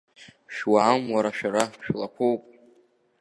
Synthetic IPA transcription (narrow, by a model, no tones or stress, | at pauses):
ʃwaːmwaɾaʃᶣaɾaʃᶣlakʷʰowpʼ